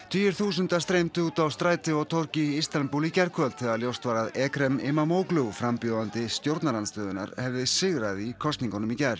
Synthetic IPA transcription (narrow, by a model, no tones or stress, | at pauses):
t̪ʰyːjʏɾ̥θuːs̬ʏnt̪ast̪ɾejmt̪uːt̪awst̪ɾaːjt̪ɪɔɣt̪ʰɔr̥cɪist̪anpulicɛɾ̥kʰœlt̪θɛɣaljowst̪vaːɾaðɛːkɾɛmɪmamoːwklʏwfɾampjɔðant̪ɪst̪jowɾt̪naɾanst̪œːðʏna̰ɾhɛvðɪsɪɣɾaðikʰɔst̪niŋkanʏmicɛɾ̥